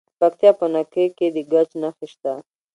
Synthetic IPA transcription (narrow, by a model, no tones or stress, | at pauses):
pakt̪ijɑpənakəjked̪əɡat͡ʃnaxiʃt̪a